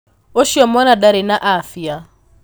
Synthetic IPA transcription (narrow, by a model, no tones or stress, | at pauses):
oʃiɔmɔnadaɾenaʔafja